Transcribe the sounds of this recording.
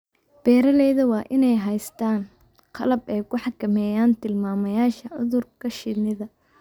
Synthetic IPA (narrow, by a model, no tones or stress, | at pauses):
b̥ɛːɾɐlɛːðɐwɑːʔɪnɛjɦɐjst̪ʰaːn | qʰɑlɐbɛːkʰʊħɑkʰɐmɛːjaːnt̪ʰɪlmaːmɐjaːʃɐʕʊðʊrkʰɐʃɪd̪nɪðɐ